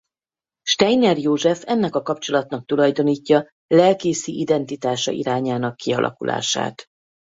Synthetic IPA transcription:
ʃt̪ɛjnɛrjoːʒɛfɛnːɛkɒkɒpt͡ʃo̞lɒt̪nɒk̚t̪ulɒjd̪o̞niːcːɒ | lɛlkeːsiʔid̪ɛnt̪it̪aːʃɒ̰ʔḭɾaːɲaːnɒkːiɒ̰lʔɒ̰kulʔa̰ːʃa̰ːt̪

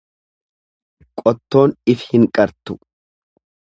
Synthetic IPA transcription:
kʼɔt̪ːo̞ːnɪfhɪŋkʼɐɾt̪ʊ̥

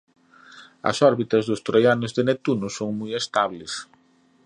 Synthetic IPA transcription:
ɐ̰sɔɾβit̪ɐzðʊst̪ɾojanʊzðenet̪unʊsoŋmujest̪aβles

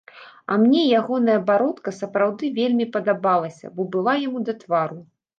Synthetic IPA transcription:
ɐ̰mnʲɛjaɣɔnɐjɐbaɾɔt̪kɐsɐpɾawd̪ɨvʲelʲmʲipɐd̪abalˠɐsʲɐ̰bɔbɨlˠajamud̪ɐt̪vaɾu

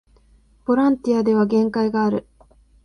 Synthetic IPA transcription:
b̥o̞ɾãnt̪ʲiad̪e̞β̞aɡẽ̞ŋkaiɡaːɾɯ̟

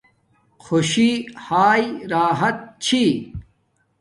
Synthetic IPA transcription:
xʰoɕihaːjɾaːɦɐt̪̚t͡ɕʰi

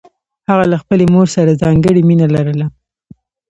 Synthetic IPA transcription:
haɣalaxpəlemoɾsaɾazɑŋɡəɽiminalaɾəla

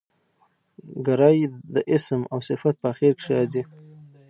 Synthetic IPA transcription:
ɡaɾɑjd̪əʔɪsmawsɪfat̪̚pəːxiɾkʂjɑzi

